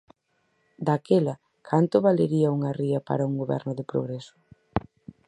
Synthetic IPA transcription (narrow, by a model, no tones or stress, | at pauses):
d̪akelɐ | kʰant̪ʊβaleɾiɐuŋɐriɐpa̰ɾɐuŋɡoβɛ̰ɾnʊðɪpɾo̰ɣɾesʊ̥